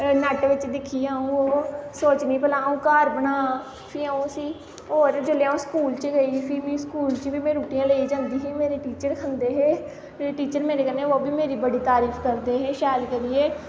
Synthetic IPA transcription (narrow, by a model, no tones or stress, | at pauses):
nɛːʈʋɪt͡ʃd̪ɪkʰiːaːũːoːsoːt͡ʃnĩːpəlaːũːkaːɾbənaː | pʰiːaũːsiː | ɦoːɾd͡ʒəleãːõːskuːlt͡ʃəɡəiːpʰiːmĩːskuːlt͡ʃʋiːmɛ̃ːɾuːʈijãːleːiːd͡ʒãːnd̪iːɦiːmeːɾeːʈiːt͡ʃəɾkʰənd̪eːɦeː | eeːʈiːt͡ʃəɾmeːɾeːkəneːoːbiːmeːɾiːbəɽiːt̪aːɾiːpʰkəɾd̪eːɦeːʃɛːlkəɾiːeː